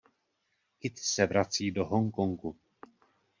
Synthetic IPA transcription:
kɪt̪sɛvɾat͡siːdoɦoŋkoŋku

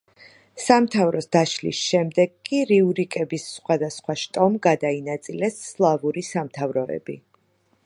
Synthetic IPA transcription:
samt̪ʰavɾɔsd̪aʃlḭsʃɛmd̪ɛɡkʼːiɾiuɾikʼɛbisːχwad̪asχwaʃt̪ʼɔmɡad̪ainat̪sʼilɛsːlˠavuɾisamt̪ʰavɾɔɛ̰bi

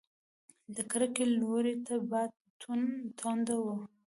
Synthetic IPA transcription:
d̪əkɾəkeloɾet̪abajd̪̚t̪ʰunt̪ʰɑnd̪awə

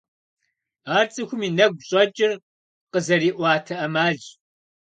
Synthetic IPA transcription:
aːrt͡sʼɨxʷʊmiːnɐɡʷɕʼɐt͡ʃʼɪr | qəzɐɾiːʔʷɑːtʰɐʔɐmaːɮ

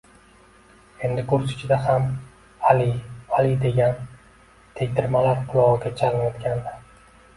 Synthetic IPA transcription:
e̞nd̪ɪkʰʊɾsɪ̥t͡ʃʰɪd̪aham | alialid̪e̞ɡʲan | t̪ʰe̞ɡʲt̪ɪɾmalaɾqʰʊlˠɒʁɨɡʲat͡ʃʰalɪnajɒt̪kʲʰand̪ɪ

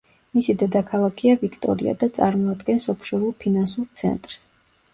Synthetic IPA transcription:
misid̪ɛd̪akʰalˠakʰiavikʰt̪ʼɔ̰ɾḭa̰d̪at̪sʼaɾmɔad̪ɡɛnsɔpʰʃɔɾulˠpʰinansuɾt̪sʰɛ̰nt̪ʼɾs

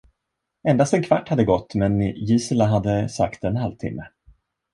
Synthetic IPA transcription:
ɛnd̪ast̪ɛnkʰvaʈːhad̪ːəɡɔt̪ːmɛnjisəlaɦad̪ːəsa̰kt̪ɛnɦalvt̪ʰɪ̰mːə

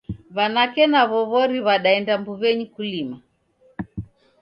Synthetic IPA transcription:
βanakɛnaβɔβɔɾiβaɗaɛndambuβɛɲikulima

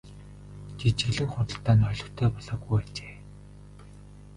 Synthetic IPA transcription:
t͡ɕit͡ɕ̆ɘ̆ɮɘ̆ŋχʊrə̆ɬt̪aːnɔɮɞ̆xt̪ʰeːpɔɮɔːɣujat͡ɕe̥ː

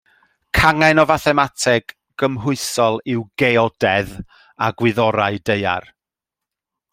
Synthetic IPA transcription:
kʰaŋanɔvaθɛmatʰɛɡ̥ | ɡ̥əmɦʊɨsɔlˠɪwɡeɔdɛð | aɡwɪðɔɾaɨdeja̰r

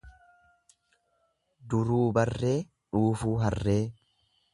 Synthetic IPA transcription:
d̪ʊɾuːbɐrːe̞ː | ᶑuːfuːɦɐrːe̞ː

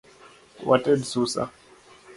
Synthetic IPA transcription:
watʼɛdsusa̰

